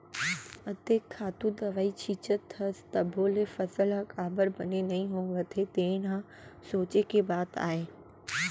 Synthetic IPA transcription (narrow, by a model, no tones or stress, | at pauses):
ɐd̪eːkʰːaːt̪ud̪ɐʋaːit͡ɕʰiːt͡ɕət̪ʰːɐst̪ɐbʱoːlefɐsəlakaːbəɾbɐnenɐĩɦõʋɐt̪ʰet̪ẽːnã | soːt͡ɕekʰebaːd̪a̰ːɦeː